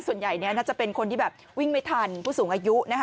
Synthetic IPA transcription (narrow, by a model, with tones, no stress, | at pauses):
su˨˩ənja˨˩jni˦˥ɐnaː˥˩t͡ɕa˨˩pe˧nkʰo˧nt̪ʰiː˥˩bɛː˨˩p̚ | wi˥˩ŋma˥˩jt̪ʰa˧npʰuː˥˩suː˩˦ŋʔaː˧ju˦˥na˦˥kʰ